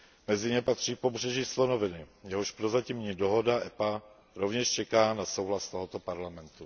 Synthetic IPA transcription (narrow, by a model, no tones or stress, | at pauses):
mɛzɪɲɛpat̪r̝̥iːpo̞br̝ɛʒislonovɪnɪjɛɦoʃpɾozacɪmɲiːdo̞ɦo̞daʔɛpa | ɾo̞vɲɛʃt͡ʃɛkaːnaso̞wɦlast̪oɦot̪o̞paɾlamɛnt̪u